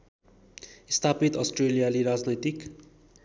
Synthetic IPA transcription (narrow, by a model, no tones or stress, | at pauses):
ist̪ʰapit̪ɔsʈrelijaliɾazlet̪ik